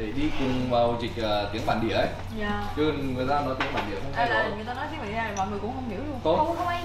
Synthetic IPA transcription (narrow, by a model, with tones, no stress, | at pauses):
e˧˩ɗi˧kɨ˨˩ŋvaː˨˩wt͡ɕï˨˩k̟̚ʔəː˨˩t̪i˨˦əŋŋ͡mɓa̰ː˧˩nɗḭ˧˨əʔə˨˦j | zaː˧˩kɨ˨˩ŋɨ˨˩əjt̪aː˧nɔ˨˦jt̪i˨˦əŋɓa̰ː˧˩nɗḭ˧˨ət͡ɕɔ˧˦ŋ͡mʔlaː˨˩˨ŋ˨˩jt̪aː˧nɔ˨˦jzi˧˦mə˨˩˧aː˧˨˩ma̰˧˨˩ŋɨ˨˩əkʊ̰˧˥ŋ͡mhə˧wŋ͡mhḭ˧˩˥wzu˧əo˧˦˧hə˧ʔa˧